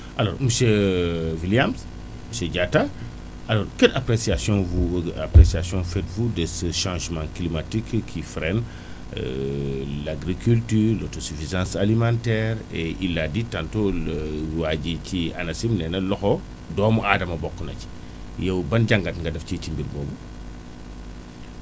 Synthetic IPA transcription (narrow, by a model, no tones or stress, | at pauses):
ʔalɔːɾmuseviljams | museɟata | ɐlɔːɾkɛtapɾesiasjɔ̃nvuapɾesiasjɔ̃fɛtvudesəʃãːʒmãklimatikkʰːifɾɛn | laɡɾikyltyːɾlɔtosyfizãːsalimãntɛːɾɛʔilːaditãntolwaɟicianɐsimnɛnɐlɔxɔ | dɔːmuadɐmɐbɔkːənɐci̥ | jɛwbɐnɟaŋɡatŋɡɐdɐfcicimbiɾbɔːbu